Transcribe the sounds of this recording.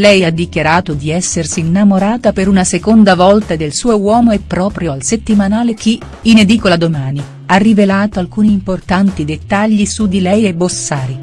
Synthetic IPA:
lɛjad̪ːikjaɾaːt̪od̪iɛsːersiːnːamoɾaːt̪apeɾunasekond̪avɔlt̪aed̪elsuːowɔːmoepːɾɔːpɾjoalset̪ːimanaːlekʰi | ined̪iːkolad̪omaːni | arːivelaːt̪oalkuːniːmport̪ant̪id̪et̪ːaʎːisud̪ilɛjebːosːaːɾi

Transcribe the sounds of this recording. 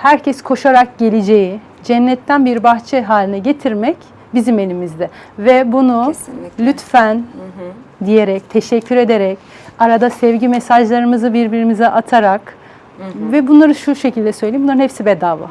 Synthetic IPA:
hæɾcʰɛskʰo̞ʃaɾak̚ɟe̞lʲid͡ʒeji | d͡ʒɛnːɛt̪ʰːænbiɾbaxt͡ʃʰɛɦaːlʲinɛɟet̪ʰiɾmɛc | bizime̞lʲimizd̪ɛvɛbunulʲyt̪fæn | d̪ijeɾɛc̚t̪ʰeʃɛcʰːyɾe̞d̪eɾɛc | aɾad̪asɛvɟimɛsaʒlˠaɾɯmɯzɯbiɾbiɾimizɛʔat̪ʰaɾak | vɛbunlˠaɾɯʃuʃecʰilʲd̪ɛsø̞jlʲejimbnˠaɾɯnhɛpsibɛd̪aːva̰

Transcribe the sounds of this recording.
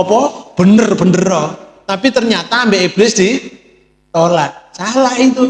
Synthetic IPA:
ɔpɔb̥ə̤nərb̥ənərɾɔt̪apit̪ərɲat̪aːmbeʔeb̥ɾɪsdi | t̪olat̪̚salahit̪u

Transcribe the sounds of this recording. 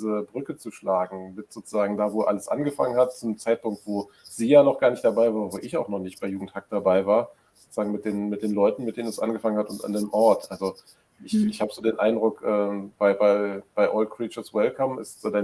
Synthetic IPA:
izəbʁʏkət͡suʃlaːɡŋ̩mɪtz̥oːt͡suzaːɡŋ̩daːvoːʔa̰ləsʔa̰nɡəfaŋənhatt͡sunəmt͡saɪt̚pʊŋk̚tv̥oː | z̥iːjaːnɔχɡ̥aːɐnɪçtd̥aɐbaɪvaːəvoːʔɪçaʊxnɔχnɪçt̚b̥aɪjuːɡŋ̩thak̚d̥abaɪvaːɐ | zoot͡suzaːɡŋ̩mɪt̚d̥eːnmɪt̚d̥eːnlɔʏtn̩mɪtd̥eːnənɛsʔa̰nɡəfaŋənhatʊnta̰ndeːmʔɔɐtʔalzo | ʔɪçɪçhaːbəzoːdeːnʔa̰ɪndʁʊkʔɛːb̥aɪbaɪb̥aɪʔɔltkʁ̥iːt͡ʃɐswɛlkʰamʔɪ̰stz̥oːdaɪn

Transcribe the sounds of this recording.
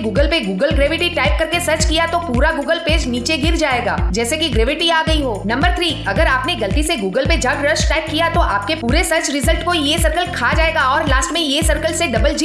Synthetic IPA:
ɡuːɡəlpeɡuːɡəlɡɾeːʋɪʈiʈaːɪp̚kɐɾkesɐɾt͡ʃkijat̪opuːɾaɡuːɡəlpeːd͡ʒniːt͡ʃeɡɪɾd͡ʒaːeːɡa̰ːd͡ʒɛːsekiɡɾeːʋɪʈiaːɡɐiɦoːnɐ̃mbəɾt̪ʰɾiːɐɡəɾaːpneɡɐlt̪iseɡuːɡəlped͡ʒɐɡɾəʃʈaːɪp̚kijat̪oʔaːp̚kepuːɾesɐɾt͡ʃɾɪzəlʈkojesɐɾkəlkʰaːd͡ʒaːeːɡaɔːɾlaːsʈmẽjesɐɾkəlseɖɐbəld͡ʒi

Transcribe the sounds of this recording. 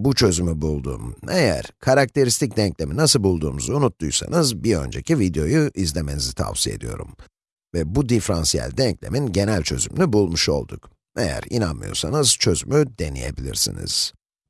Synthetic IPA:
but͡ʃʰø̞zymybulˠd̪ṵːmejæ̰ɾ̥kʰaɾak̚t̪ʰe̞ɾist̪ʰic̚d̪ɛɲclʲe̞minasɯlˠbulˠd̪uːmuzuunut̪ːujsa̰nɯzbiɾø̞̰nd͡ʒe̞civid̪ejo̞juʔizlʲe̞me̞nizit̪ʰa̰vsije̞̰d̪ijo̞̰ɾum | vɛbud̪ifɾansijæ̰lʲd̪ɛɲclʲe̞̰minɟe̞nælʲt͡ʃʰø̞zymlʲybulˠmuʃo̞̰lˠd̪uk | e̞jæ̰ɾḭnanmɯjo̞̰ɾsanɯz̥t͡ʃʰø̞zymyd̪e̞nḭje̞̰bilʲḭɾsḭnḭz̥

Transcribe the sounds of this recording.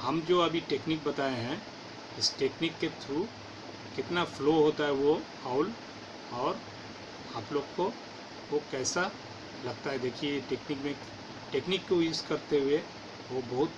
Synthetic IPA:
hɐmd͡ʒoːɐbʱiʈeːknik̚bɐt̪aːẽɦɛ̃ | ɪsʈeːknɪkːet̪ʰɾuː | kɪt̪nafloɦoːt̪aɦɛʋo | aʊl | ɔːɾ | aːploːɡko | ʋokɛːsa | lɐɡ̚t̪aɦɛd̪eːkʰieʈeːknɪkmẽ | ʈeːknɪkːojuːskɐɾt̪eɦʊe | ʋobɐɦʊt̪

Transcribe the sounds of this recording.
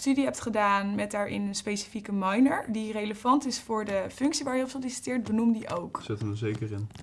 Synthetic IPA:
stydiɦɛp̚tχədaːnmɛt̚daːɹʔɪ̰nənspejsi̥fikəmɑjnəɹdirejləvɑntɪsfʊːɹdəfɵŋksiʋaːɹjəɔpsəlisi̥tɪːɹt̚bənumdiʔowksɪtənʋəzejkərɪn

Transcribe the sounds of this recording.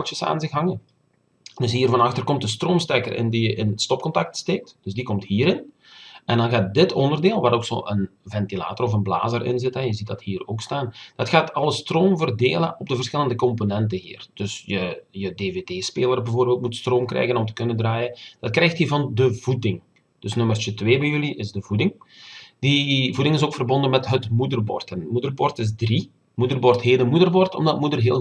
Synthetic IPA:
t͡ʃəsa̰ːnzɪxɦɑŋən | d̥ɵsɦiːrvɑnɑxtərkɔmtəstroːmstɛkərʔɪ̰ndijəʔɪnstɔp̚kɔntɑk̚tsteːk̚td̥ɵsdikɔmthiːɾɪn | ʔɛndɑnɣaːt̚dɪtʰɔndərdeːlˠʋaːɾoːkso̰ːʔənvɛntila̰ːtɔrɔfənbla̰ːzərʔɪ̰nzɪtɦɛnjəzit̚dɑthiːroːkstaːnd̥ɑtxaːtʰɑlˠəstroːmvərdeːləʔɔb̚dəvərsxɪləndəkɔmponɛntəɦḭːrd̥ɵsjəjədeːveːdeːspeːlərbəvoːrbeːlˠt̚mutstroːmkrɛ̰jɣənɔmtə̥kɵnəndraːjənd̥ɑt̚krɛjxthivɑndəvudɪŋ | d̥ɵsnɵmərt͡ʃətweːbɛjɵliʔɪzdəvudɪŋ | d̥ivudɪŋɪsoːkfərbɔndənmɛtɦətmudərbɔ̰rtɛnmudərbɔrtɪzdri | mudərbɔrtɦeːtdəmudərbɔrtɔ̰mdɑtmudərɦeːl

